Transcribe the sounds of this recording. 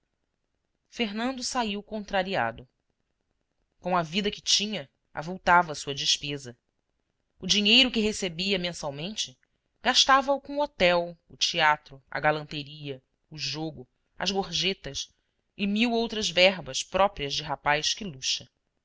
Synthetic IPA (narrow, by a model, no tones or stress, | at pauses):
feɦnɐ̃nd̪ʊsaiwkõnt̪ɾaɾia̰d̪ʊ | kõɐvid̪ɐkɪ̥t͡ʃĩɲɐ | a̰vuwt̪avɐsuɐd͡ʒɪʃpezɐ | ʊd͡ʒiɲejɾʊkɪɦesebiɐmẽsawmẽnt͡ʃɪ | ɡ̥aʃt̪avɐukõuot̪ɛwʊt͡ʃiat̪ɾʊɐ̰ɡalɐ̃nt̪eɾiɐ | ʊʒoɡʊ | ɐ̰zɡoɾʒet̪ɐs | ɪmiwowt̪ɾɐzvɛɦbɐʃpɾɔpɾiɐzd͡ʒɪɦapajskɪluʃɐ